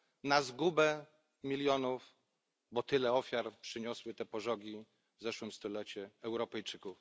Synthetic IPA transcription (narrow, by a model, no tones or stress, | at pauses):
nazɡubɛ | mʲiljɔnuf | bɔt̪ɘlɛɔfʲjaɾpʂɘɲɔswɘt̪ɛpɔʐɔɡʲi | vzɛʂwɘmst̪ɔlɛt͡ɕuɛwɾɔpɛjt͡ʂɘkuf